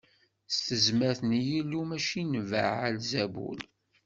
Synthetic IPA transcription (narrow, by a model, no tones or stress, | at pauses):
st̪əzmæɾθənjilːumæʃinva̰ʕælzæbṵl